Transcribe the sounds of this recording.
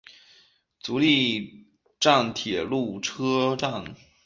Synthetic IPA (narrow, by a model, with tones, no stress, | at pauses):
t͡su˧˥li˥˧ | ʈ͡ʂa˥˩nt̪ʰjɛ˨˩lu˥˩ʈ͡ʂʰɤ˥ʈ͡ʂa˥˩n